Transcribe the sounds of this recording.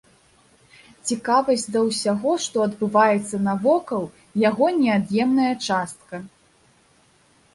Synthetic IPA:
t͡sʲikavɐsʲd̪ɐwsʲaɣɔʂt̪ɔɐd̪bɨvajɛt̪sːɐnɐvɔkɐw | jaɣɔnʲɛad̪jɛmnɐjɐt͡ʂast̪̚kɐ

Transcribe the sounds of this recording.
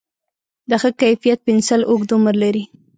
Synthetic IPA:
d̪əxəkajfijat̪̚pɪnsalʔokd̪ʊmɾlaɾi

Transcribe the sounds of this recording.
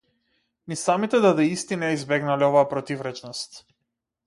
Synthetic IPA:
nisamit̪ɛd̪ad̪ɛist̪inaizbɛɡnaliovaːpɾɔt̪ivɾɛt͡ʃnɔst̪

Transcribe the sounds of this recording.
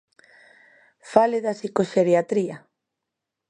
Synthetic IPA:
faleðasikoʃeɾjat̪ɾia

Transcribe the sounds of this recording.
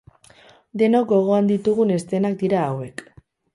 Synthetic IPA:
d̪e̞nok̚ɡo̞ɣ̞o̞and̪it̪uɣ̞une̞st̪e̞nak̚d̪iɾaːwe̞k

